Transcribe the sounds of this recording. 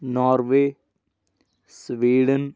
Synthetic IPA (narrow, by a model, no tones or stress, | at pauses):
nɔːɾʋeː | sʋiːɖən